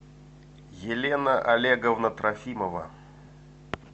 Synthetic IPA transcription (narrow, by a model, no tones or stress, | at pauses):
jɪlʲenəʔɐlʲeɡəvnət̪ɾʔɐfʲiməvə̰